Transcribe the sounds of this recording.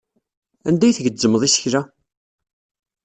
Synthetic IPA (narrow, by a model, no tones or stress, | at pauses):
æ̰nd̪æjθəʝəd͡zːəmːðˤisə̥çɾæ